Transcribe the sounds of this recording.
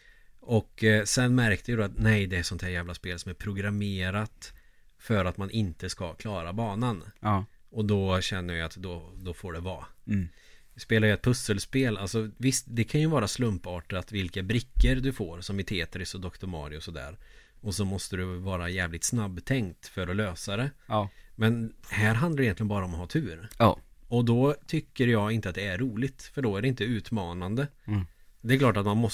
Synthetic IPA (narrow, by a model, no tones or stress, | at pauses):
ʔɔkːsɛnːmæɾkt̪əjd̪ɔat̪nɛjd̪ɛæɾsɔnt̪hæːɾjæːvlaspeːlsɔmæɾpʰɾʊɡɾameːɾat̪ | fœɾat̪manʔɪnt̪əskakʰlɑːɾabɑːnan | ɔd̪ɔɕɛnːəɾjat̪d̪ɔd̪ɔfoːɖɛvɑ̰ː | speːlajʏɛt̪̚pʰɵsːəlspeːla̰lsɔvɪst̪d̪ɛkʰanjɵvɑːɾaslɵmpɑːʈəɾat̪vɪlkabɾɪkːəɾd̪ɵfoːɾsɔmɪt̪ʰeːt̪əɾɪsɔd̪ɔkt̪ʊmɑ̰ːɾɪɔsɔd̪æ̰ːɾ | ɔsɔmɔst̪əd̪ɵvɑːɾajɛːvlɪk̚t̪snabːt̪ʰɛŋkt̪fœɾɔløːsaɾɛmɛnhæɾɦand̪aɾjɛnlɪɡənbɑːɾaɔmɔhɑːt̪ʰʉ̟ːɾ | ɔd̪ɔt̪ʰʏkːəɾjɑːɡɪnt̪əat̪̚d̪ɛæɾːuːlɪt̪fœɖɔæɖɛɪnt̪əʉ̟ːt̪mɑːnand̪ə | d̪ɛɾklɑːʈat̪manmɔ